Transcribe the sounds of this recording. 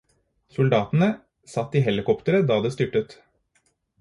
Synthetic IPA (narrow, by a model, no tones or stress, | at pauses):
sʊld̪ɑːt̪n̩ə | sɑt̪ːiːɦɛlɪkɔpt̪əɾəd̪ɑːd̪eːst̪ʏʈət̪